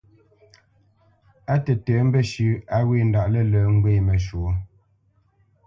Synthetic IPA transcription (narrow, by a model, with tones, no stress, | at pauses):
a˦tɛ˨tɛː˨˦m̩˦bə˦˨ʃʉ˨˦a˦we˦˨n̩˦da˨ʔlə˦˨ləː˨˦ŋ̩˦ɡwe˦˨mə˨ʃu˨˦